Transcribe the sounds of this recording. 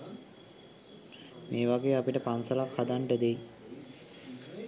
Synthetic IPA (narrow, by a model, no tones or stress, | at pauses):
mʔeːʋaɡeːapiʈəpansəlakhad̪aɳʈəd̪e